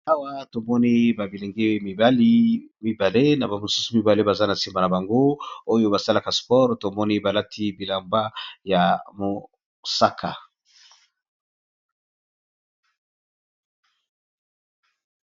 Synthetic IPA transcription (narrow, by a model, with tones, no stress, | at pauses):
a˦wa˦to˨mɔ˦ni˦ba˨bi˨le˨ŋɡe˦mi˨ba˦li˦mi˨ba˨le˦na˨ba˨o˨su˦su˨mi˨ba˨le˦ba˨za˦na˨si˨mba˨na˨ba˨ŋɡo˦o˦jo˦ba˨sa˦la˦˨ka˨spɔ˦ʁto˨mɔ˦ni˦ba˨la˦tʰi˦bi˨la˨mba˦ja˨mo˨ | sa˦kʰa̰˨